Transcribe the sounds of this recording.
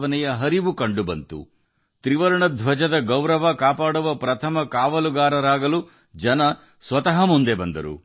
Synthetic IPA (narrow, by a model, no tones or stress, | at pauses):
ʋɐnɛjɐɦɐɾiʋukɐɳɖubɐnt̪ṵ | t̪ɾiʋɐɾɐɳɐd̪ʱʋɐd͡ʒɐd̪ɐɡɐwɾɐʋɐkaːpaːɽuʋɐpɾɐt̪ʰɐmɐkaːʋɐluɡaːɾɐɾaːɡɐlu | d͡ʒɐnɐ | sʋɐt̪ɐɦɐmund̪e̞bɐnd̪ɐɾṵ